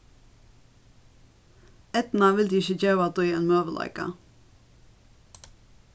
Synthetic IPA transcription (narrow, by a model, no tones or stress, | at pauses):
ɛt̪n̩ɑʋɪld̪iːɪçəd͡ʒœːʋɑt̪̚ɔeːnmøːʋəlʔɑ̰ɪkɑ̰